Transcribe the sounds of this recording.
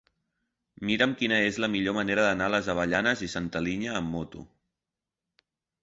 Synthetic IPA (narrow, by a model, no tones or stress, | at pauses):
miɾəmkinəezləmiʎoməneɾəðənaləzəβ̞əʎanəzisənt̪əliɲəːmːot̪ṵ